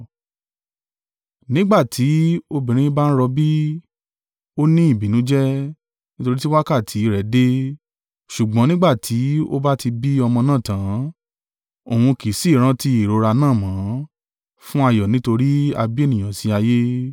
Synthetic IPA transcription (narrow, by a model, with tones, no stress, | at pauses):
nĩ˦ɡ͡ba˦˨tʰi˨˦o˧bĩ˨ɾ̃ĩ˨˦ba˦n̩˦ɾɔ˧bi˦ | o˦nĩ˦i˦˨bi˨nũ˨˦d͡ʒɛ˦ | nĩ˦to˧ɾi˦ti˦wa˦ka˦˨tʰi˨˦ɾɛ˨˦de˦ | ʃu˨ɡ͡bɔ̃˨˦nĩ˦ɡ͡ba˦˨tʰi˨˦o˦ba˦ti˧bi˦ɔ˧mɔ̃˧nã˦˨tã˨˦ | o˨hũ˧ki˨˦si˦˨ɾ̃ã˦ti˧i˨ɾo˧˦ɾa˧nãː˦˨mã˨˦ | fũ˦a˧jɔ˨nĩ˨˦to˧ɾi˦a˧bi˦e˦˨nĩ˨j̃ã˨si˧˦a˧je˦